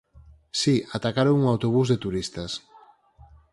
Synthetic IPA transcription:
siat̪akaɾoŋuŋawt̪oβ̞uzðet̪uɾist̪as

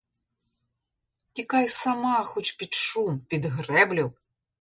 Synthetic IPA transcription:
tʲikajsamaxut͡ʃpʲit̪ʂumpʲid̪ɣrɛblʲɐw

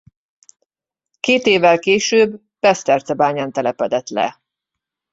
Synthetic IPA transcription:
keːt̪eːvːɛlkeːʃøːb | bɛst̪ɛrt̪sɛbaːɲaːnt̪ɛlɛpɛd̪ɛt̪lɛ̰

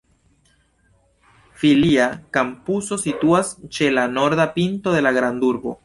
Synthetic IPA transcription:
filiakampuso̞situast͡ʃe̞lano̞ɾdapinto̞ðe̞laɡɾand̪uɾbo̞̰

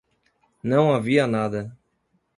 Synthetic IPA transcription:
nɐ̃w̃aviɐnad̪ɐ

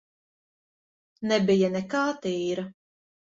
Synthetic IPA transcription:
nɛbijɐnɛkaːt̪iːɾɐ

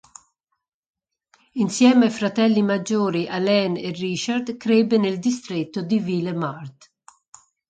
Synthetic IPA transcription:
insjɛːmafɾat̪ɛlːimad͡ʒːoːɾiʔalɛnerːit͡ʃard̪kɾɛbːeneld̪ist̪ɾet̪ːod̪iviːlemart̪

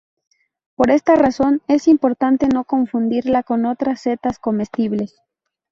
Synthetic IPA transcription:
po̞ɾe̞st̪araso̞ne̞simpo̞ɾt̪ant̪e̞no̞ko̞ɱfund̪iɾlako̞no̞t̪ɾasːe̞t̪asko̞me̞st̪iβles

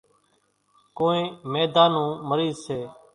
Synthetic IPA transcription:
koːẽːmeːd̪aːnũːməɾiːzseː

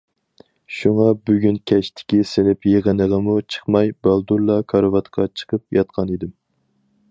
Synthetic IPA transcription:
ʃuŋɑbyɡʲynkʲʰɛʃt̪ʰɪ̥kʲisɪnɪpjeʁənəʁəmut͡ʃʰə̥χmɑjbɑlˠd̪uɾlˠɑkʰɑɾvɑt̪qʰɑt͡ʃʰə̥qʰəp̚jɑt̪̚qʰɑnid̪ɪm

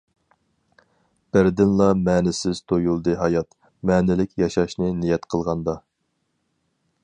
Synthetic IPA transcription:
b̥ɪɾd̪ɪnlˠɑmɛːnɪsɪz̥t̪ʰojulˠd̪ɨɦɑjɑt̪ | mɛːnɪlɪkʲʰjɑʃɑʃnɨnijɛt̪qʰəlˠʁɑnd̪ɑ

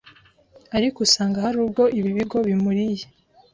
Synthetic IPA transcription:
aɾikusaːŋɡahaɾubɡo̞ʔiβiβiɡo̞βimuɾije

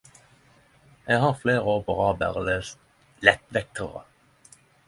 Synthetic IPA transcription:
ʔeːɡhɑːʁfleːʁəɔpəʁɑːbə̰ʁleːs | lɛt̪ʋɛk̚t̪ʰəʁə̰

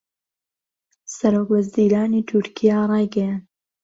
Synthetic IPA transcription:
sɐɾoːkwɐziːɾaːniːt̪ʰʊɾkʰijarˤejɡɛjan

